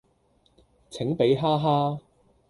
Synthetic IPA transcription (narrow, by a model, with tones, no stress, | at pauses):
t͡sʰɪ˨˥ŋpe˨˥jɦaː˥ɦaː˥